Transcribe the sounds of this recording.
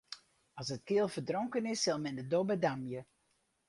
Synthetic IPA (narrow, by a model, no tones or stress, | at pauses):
ɑsətkɪəlˠfərdroŋkənɪsːɪlˠmɛndədobədamjə